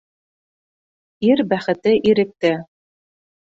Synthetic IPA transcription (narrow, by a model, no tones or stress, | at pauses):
iɾbæχɘ̆t̪ɘʔiɾɘ̆k̚t̪ɘ